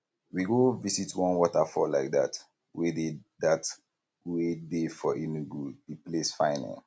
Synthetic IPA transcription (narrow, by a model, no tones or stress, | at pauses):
wiɡovisitwɔ̃nwɔtafɔlaɪk̚da̰t | wededat | wedefɔʔinuɡuiplesfãɪ̃nɛ̰̃